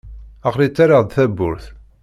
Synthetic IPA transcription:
aqlit͡sːaɾaʁðθæbːʊɾθ

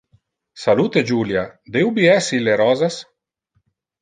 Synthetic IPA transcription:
saluːt̪ed͡ʒuːljad̪ewbiɛsileɾɔːzas

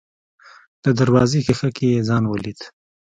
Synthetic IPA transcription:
d̪̥əd̪aɾwɑːzekixakijezɑːnwəlit̪

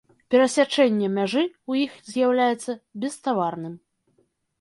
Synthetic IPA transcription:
pʲɛɾɐsʲat͡ʂɛnʲːɛmʲaʐɨujixzʲjawlʲajɛt̪sːɐbʲɛst̪avarnɨm

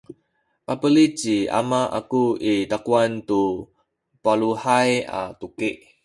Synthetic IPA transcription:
papəlit͡ʃia̰maʔa̰kuit̪akuant̪u | paluhaja̰t̪ukiʔ

